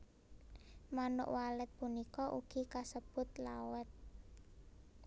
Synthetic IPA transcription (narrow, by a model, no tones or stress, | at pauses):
manʊ̰ʔwalɛt̪̚punikɔʔṵɡ̥i̤kasəb̥ʊt̪̚lawɛt̪̚